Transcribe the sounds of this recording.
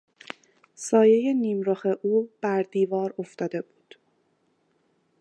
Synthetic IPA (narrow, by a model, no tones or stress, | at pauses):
sɒːje̞je̞niːmɾɒːxe̞ʔuːb̥æɾd̪iːvɒːɾo̞ft̪ɒːd̪e̞buːd̪̥